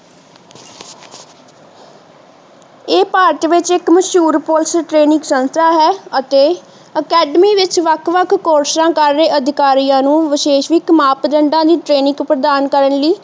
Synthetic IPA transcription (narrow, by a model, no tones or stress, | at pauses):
eːpaːɾʈʋɪt͡ʃɪkməʃuːɾpoːlsəʈɾeːnɪ̃ŋɡsə̃nst̪ʰaːɦɛːət̪eː | əkɛːɖmiːʋɪt͡ʃʋəkʰʋəkʰːoːɾsɾãːkəɾːeːʔəd̪ʱɪkaːɾijãːnũːʋɪʃeːʃʋɪkmaːpd̪əɳɖãːd̪iːʈɾeːnɪ̃ŋɡpɾəd̪aːnkəɾənliː